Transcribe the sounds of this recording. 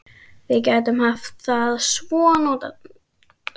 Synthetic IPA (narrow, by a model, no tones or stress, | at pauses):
vɪðcaːjt̪ʏmhaft̪θaðsvɔːnɔːt̪a